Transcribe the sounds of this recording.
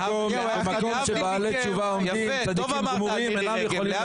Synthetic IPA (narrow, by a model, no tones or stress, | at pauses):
om | bemako̞mʃebaːlet͡ʃuvaomimt͡sad̪ikimɡmuʁimenamjeχoli